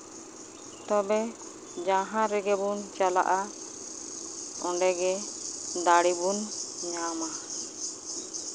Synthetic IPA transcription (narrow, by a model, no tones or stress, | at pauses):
t̪ɔbɛ | d͡ʒaɦãɾɛɡɛbunt͡ʃala̰ʔa | ɔ̃ɳɖɛɡɛd̪aɽibunɲama